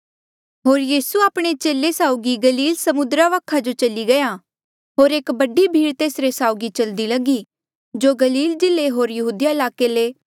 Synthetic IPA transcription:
ɦoːɾjiːsuaːpɽ̃et͡ʃeːlesaːʊɡiɡɐliːlsɐmʊd̪ɾaʋakʰad͡ʒot͡ʃɐliɡɐja | ɦoːɾeːkbɐɖibʱiːɾt̪eːsɾesaːʊɡit͡ʃɐld̪ilɐɡi | d͡ʒoːɡɐliːld͡ʒɪleɦoːɾjɐɦuːd̪ijaɪlaːkeleː

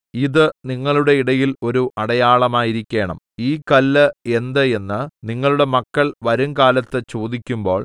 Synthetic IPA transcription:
iðɨniŋːɐɭuɽe̞iɽɐjilo̞ɾuʔɐɽɐjaːɭɐmaːjiɾikʲːe̞ːɳɐ̰m | iːkɐlːɨe̞nd̪ɨe̞nːɨniŋːɐɭuɽe̞mɐkːɐɭʋɐɾuŋkaːlɐt̪ːɨt͡ɕoːd̪ikʲːumbo̞ːɭ

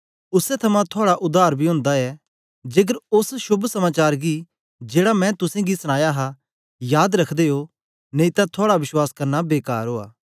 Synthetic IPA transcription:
ʊsɛt̪ʰɐmãt̪ʰoaːɽaʔʊd̪ʱːaːɾbʱiɦoʊ̃ːnd̪aɛ | d͡ʒeːɡəɾʊsʃʊbʱsɐmaːt͡ʃaːɾɡi | d͡ʒeːɽamɛ̃t̪ʊsẽɡisʊɽ̃aːjaɦa | jaːd̪ɾɐkʰd̪eɦo | nẽit̪ãt̪ʰaːɽaʋɪʃwaːskɐɾnabeːkaːɾɦoːa̰ː

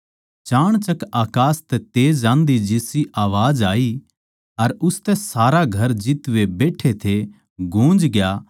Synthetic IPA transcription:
t͡ʃaːɽ̃t͡ʃɐkaːkaːst̪ɛt̪eːd͡ʒãːnd̪id͡ʒɪsiʔaːʋaːd͡ʒaːi | ɐɾʊst̪ɛsaːɾaɡʱɐɾd͡ʒɪt̪ʋebeːʈʰet̪ʰe | ɡʱũːd͡ʒɡɪjaː

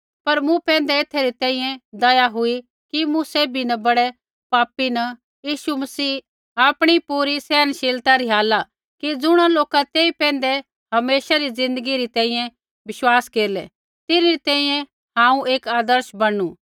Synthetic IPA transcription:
pɐɾmũpɛ̃ːn̆d̪ɛet̪ʰːeɾit̪ɛ̃ːĩjɛ̃d̪ɐjaɦʊi | kimũseːbʱinɐbɐɽɛ | paːpinɐ | jiːʃumɐsiː | aːpɽ̃ipuːɾisɛːənʃeːlt̪aɾiɦaːla | kid͡zʊɽ̃aloːkat̪eːipɛ̃ːn̆d̪ɛ | ɦɐmeːʃaɾid͡zɪ̃nd̪əɡiɾit̪ɛ̃ːĩjɛ̃ | ʋɪʃwaːskeːɾlɛ | t̪ɪnɾit̪ɛ̃ːĩjɛ̃ | hãːũeːkaːd̪əɾʃbɐɽu

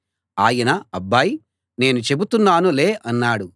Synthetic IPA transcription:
aːjɐnɐɐbːaːji | ne̞ːnut͡ʃe̞but̪unːaːnule̞ːʔɐnːaːɽu

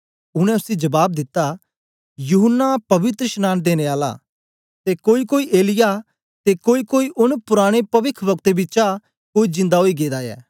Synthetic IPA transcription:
ʊɽ̃ɛ̃ʊsid͡ʒɐbaːb̚d̪ɪt̪ːa | juɦənːapɐʋɪt̪ɾəʃnaːnd̪eːneaːla̰ | t̪ekoːikoːiʔeːlɪja | t̪ekoːikoːiʔʊnpʊɾaːɽ̃epɐʋɪkʰbɐkt̪ebɪːt͡ʃa | koːid͡ʒɪ̃nd̪aɦoːiɡeːd̪ajɛ̰ː

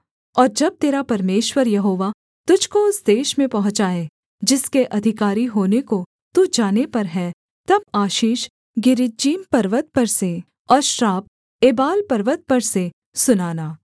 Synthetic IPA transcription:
ɔːɾd͡ʒɐb̚t̪eːɾapɐɾmeːʃwəɾjɐɦoːʋa | t̪ʊd͡ʒʱkoʊsd̪eːʃmẽpɐɦʊ̃t͡ʃaːe | d͡ʒɪskeʔɐd̪ʱɪkaːɾiɦoːneko | t̪ud͡ʒaːnepɐɾɦɛ | t̪ɐb̚aːʃiːʃ | ɡɪɾɪd͡ʒiːmpɐɾʋət̪̚pɐɾse | ɔːɾʃɾaːb̚ | eːbaːlpɐɾʋət̪̚pɐɾse | sʊnaːnaː

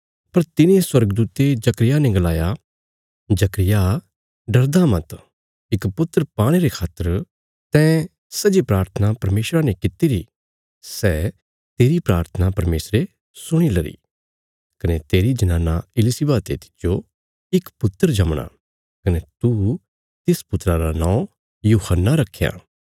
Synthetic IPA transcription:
pɐɾt̪ɪnẽswɐɾɡd̪uːt̪ed͡ʒɐkɾɪjaneɡɐlaːja | d͡ʒɐkɾɪja | ɖɐɾd̪amɐt̪ | ɪkpʊt̪ːəɾpaːɽ̃eɾekʰaːt̪ːəɾ | t̪ɛ̃ | sɐd͡ʒipɾaːɾt̪ʰənapɐɾmeːʃɾanekɪt̪iɾi | sɛː | t̪eːɾipɾaːɾt̪ʰənapɐɾmeːsɾe | sʊɽ̃ilɐɾḭ | kɐnet̪eːɾid͡ʒɐnãːnaɪlɪsibaːt̪et̪ɪ̥tːd͡ʒo | ɪkpʊt̪ːəɾd͡ʒɐmɽ̃a̰ | kɐnet̪u | t̪ɪspʊt̪ːɾaɾanãːõ | juːhənːaɾɐkʰːja̰ː

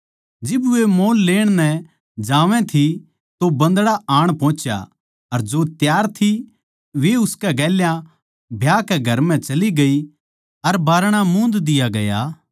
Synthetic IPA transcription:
d͡ʒɪbemoːlːeːɽ̃nɛ | d͡ʒaːʋɛ̃t̪ʰi | t̪obɐ̃nd̪ɽaaːɽ̃pɔ̃ːt͡ʃja̰ | ɐɾd͡ʒot̪jaːɾt̪ʰi | ʋeʊskɛɡɛːljã | bʱjaːkɛɡʱɐɾmɛ̃t͡ʃɐliɡɐi | ɐɾbaːɾɽ̃amũːnd̪d̪ɪjaɡɐjaː

